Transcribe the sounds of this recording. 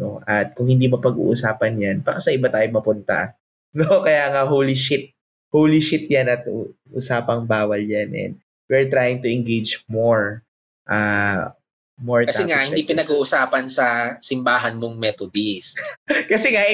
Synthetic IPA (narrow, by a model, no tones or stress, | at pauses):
no̰ʔɐt̪̚kʊŋhɪnd̪imɐpɐɡṵːʔʊsaːpɐnjanpakɐsɐʔɪbat̪aːjomɐpʊnt̪ɐ̰ | nokɐjaːŋɐhowlɪʃɪt̪̚ | hoːwlɪʃɪt̪̚janɐt̪̚ʔʊ̰saːpɐŋbaːwɐljanʔɛ̰n | wɪɹt̪ɾaːjɪŋt̪ʊʔɪŋɡejd͡ʒmoɹ | ʔaː | moɹtkɐsɛŋahɪnd̪ipɪnɐɡuːʔʊsaːpɐnsɐsɪmbaːɦɐnmoŋmɛt̪od̪iskɐsɛŋa